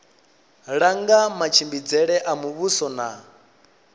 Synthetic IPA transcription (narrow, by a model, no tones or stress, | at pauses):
ɺaŋɡamat͡ʃʰimbid͡zɛɺɛʔamuβusɔna